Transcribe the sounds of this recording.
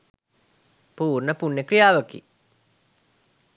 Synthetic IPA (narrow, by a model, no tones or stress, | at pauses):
puːrnəpunːekɾijaːʋəkḭ